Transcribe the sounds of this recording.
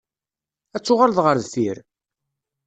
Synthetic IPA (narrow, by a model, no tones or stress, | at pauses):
æt͡sːʊʁalðʁəɾðθiɾ